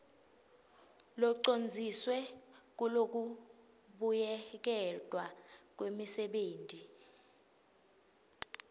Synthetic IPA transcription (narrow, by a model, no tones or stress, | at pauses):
lɔǀond͡zʱiswɛk̬ulok̬u | ɓujɛk̬ɛd̥ʱwak̬wemisɛɓeːndʱi